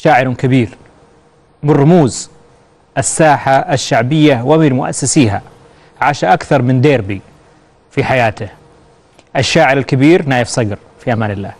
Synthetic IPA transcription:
ʃaːʕɪɾʊnkabiːɾ | mɪnrˤːʊmuːz | ʔasːaːħaʔaʃːaʕbɪjːawamilmʊʔa̰sːasiːɦa | ʕaːʃaʔakθɑɾˤmɪnd̪eːɾbi | fiħajaːt̪ɪh | ʔaʃːaːʕɪɾalkabiːɾnaːjɪfsˤɑɡɾ | fiʔamaːnɪlːaːh

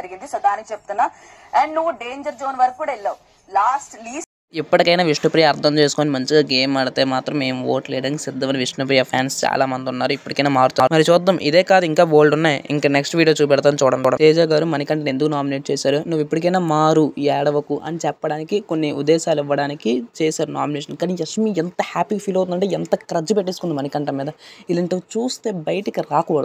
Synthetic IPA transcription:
ɐɾiɡind̪isɐd̪aːnikt͡ʃep̚t̪unːa | ɛːɳɖnuʋːuɖeːɲd͡ʒɐɾd͡ʒoːnʋɐɾkkːuːɽailːɐu | laːsʈliː | ipːɐʈikɐjnaːʋiʂɳɐpɾiːjɐːɾt̪ʰɐmt͡ʃe̞ːsu̥koːnimɐɲt͡ʃiɡaːɡe̞ːmɐɽɐt̪e̞ːmaːt̪ɾɐmːe̞ːmuʋo̰ːʈleːɽɐːnkisid̪ːɐmɐniʋiʂɳɐp̬ɾijɐpʰja̰ːnst͡ʃa̰ːlaːmɐnd̪iunːaːɾuipːuʈikɐjnaːmaːɾut̪aːmɐɾit͡ʃɔːd̪ːɐmʔḭd̪eːkaːd̪uiŋkaːboːlɖunːaːjiŋkaːneksʈʋiːɽijoːt͡ʃuːp̬ɛɽt̪̬aːnit͡ʃuːɽɐmɔːɽɐt̪eːd͡ʒaːɡaːɾumɐnɐkɐɳʈenend̪ukunaːmineːʈ̚t͡ʃeːsaːɾunuʋːipːuɽikɐjnaːmaːɾuɛːɽɐʋɐkuʔɐ̰nit͡ʃɛpːɐɽaːnikiko̞nːiʔṵd̪ːɛːʃaːluiʋːɐɽaːnikit͡ʃeːsaːɾunaːmineːʂ̬ɐnkaːniɐʂmient̪ɐhaːpiːɡɐpʰiːlɐwt̪unɐɳʈeːent̪ɐkɾɐd͡ʒupeʈːesukund̪imɐnikɐɳʈɐmːiːd̪ɐilɐɳʈɐt͡ʃuːst̪e̞ːbɐjɐʈikiɾaːkɔːʋɐɽ

